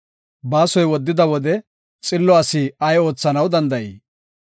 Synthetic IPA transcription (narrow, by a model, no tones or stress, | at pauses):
baːsɔjwɔd̪ːɪd̪ɐwɔd̪ɛ | t͡sʼɪlːɔɐsiɐjo̞ːt͡sːɐnɐwd̪ɐnd̪ɐjiː